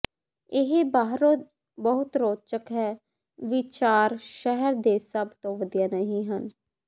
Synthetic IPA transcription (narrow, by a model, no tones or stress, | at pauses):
ɪɦbaːɦɾo | bəɦʊt̪ɾoːt͡ʃəkɦɛː | ʋɪt͡ʃaːɾʃɛɦɛɾd̪eːsəbt̪õːʋəd̪ijaːnəɦĩːɦən